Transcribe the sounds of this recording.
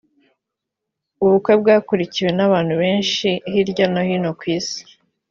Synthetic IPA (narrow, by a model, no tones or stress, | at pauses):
uβukwe̞bɡaːkuɾiciwe̞naβaːn̥huβe̞ːnʃihiɾɟanohino̞kwiːsi̥